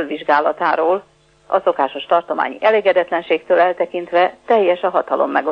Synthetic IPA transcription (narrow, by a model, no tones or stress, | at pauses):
lʋiʒɡaːlɒt̪aːɾoːl | ɒso̞kaːʃo̞ʃt̪ɒrt̪o̞ma̰ːɲiʔɛleːɡɛd̪ɛt̪lɛnʃeːkt̪øːlɛlt̪ɛkint̪ʋɛt̪ɛjːɛʃɒɦɒt̪ɒlo̞̰mːɛɡo